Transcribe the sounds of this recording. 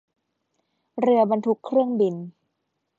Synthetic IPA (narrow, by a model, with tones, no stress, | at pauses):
ɾɯ˧ɐba˧nt̪ʰu˧˦kʰːɾɯ˥˩əŋbi˧n